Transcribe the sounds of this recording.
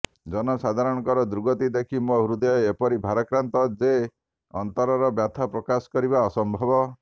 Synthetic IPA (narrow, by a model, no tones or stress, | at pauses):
d͡ʒɔnɔsad̪ʱaɾɔɽ̃ɔŋkɔɾɔd̪uɾɡɔt̪id̪ekʰimoɦuɾud̪ɔjɔepɔɾibʱaɾɔkɾant̪ɔd͡ʒe | ɔnt̪ɔɾɔɾɔbjat̪ʰapɾɔkasɔ̥kɔɾibaɔsɔmbʱɔbɔ